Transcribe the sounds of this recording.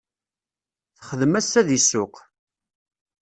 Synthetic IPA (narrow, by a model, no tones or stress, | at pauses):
θχəðəmæsæðisːʊq